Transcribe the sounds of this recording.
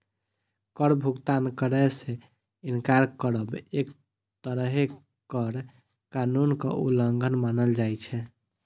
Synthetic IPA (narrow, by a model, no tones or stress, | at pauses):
kəɾbʱuɡt̪ankəɾɛsẽ | inkaɾkəɾəbek | t̪əɾəɦe | kəɾ | kanunkə̰ʔṵləŋɡʱənmanəld͡ʒajt͡ʃʰɛ